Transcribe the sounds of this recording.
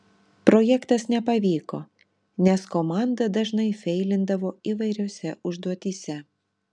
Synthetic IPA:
pɾɔjɛkt̪ɐsnʲɛpɐʋʲiːkoː | nʲɛskomɑnd̪ɐd̪ɐʒnɐɪfʲɛɪlʲɪnd̪ɐʋoːiʋɐɪɾʲoːsʲɛʔʊʒd̪uɔt̪ʲiːsʲɛ

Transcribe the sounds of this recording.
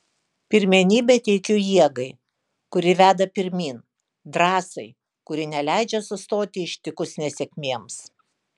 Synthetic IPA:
pʲɪɾʲmʲɛnʲiːbʲɛt̪ʲɛɪkʲʊjiɛɡɐɪ | kʊɾʲɪʋʲæːd̪ɐpʲɪɾʲmʲiːn | d̪ɾɑːsɐɪ | kʊɾʲɪnʲɛlʲæˑɪd͡ʒʲɛsʊst̪oːt̪ʲɪɪʃʲt̪ʲɪkʊsnʲɛsʲɛkʲmʲiɛms

